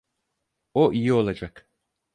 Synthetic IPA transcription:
oʔijio̞lˠad͡ʒak

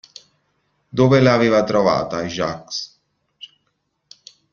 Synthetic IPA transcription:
d̪oːvelaːveːvat̪ɾɔva̰ːt̪ajʒaks

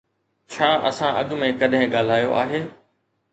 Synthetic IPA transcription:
t͡ɕʰaːʔɐsãʔɐɠmẽkɐɗɦɪ̃ɠaːl̤aːjo̰ʔa̰ːɦeː

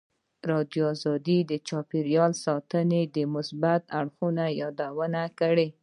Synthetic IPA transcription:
ɾɑd̪joɑzɑd̪id̪ət͡ʃɑpiɾjɑlsɑt̪əned̪əmʊsbat̪aɽxunajɑd̪awənakəɽe

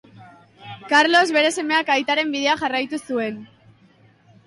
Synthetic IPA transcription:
kaɾlo̞zβe̞ɾe̞se̞me̞akajt̪aɾe̞mbiðe̞aʝarajt̪usue̞n

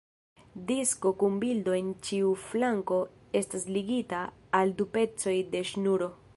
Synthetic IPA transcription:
disko̞kumbildo̞e̞nt͡ʃiuflaŋko̞ | e̞stasliɡitaːldupe̞t͡so̞jde̞ʃnuɾo̞

